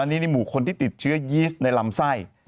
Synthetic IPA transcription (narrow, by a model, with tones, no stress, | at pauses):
a˧nːi˦˥niː˧muː˨˩˦kʰo˧nt̪ʰiː˥˩t̪i˨˩t̪̚t͡ɕʰɯ˦˥ɐjiː˦˥st̪̚na˧jla˧msa˥˩j